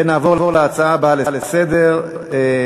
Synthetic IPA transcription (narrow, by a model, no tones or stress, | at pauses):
enaːvo̞ʁavoleat͡saabalelesed̪e̞ʁ | e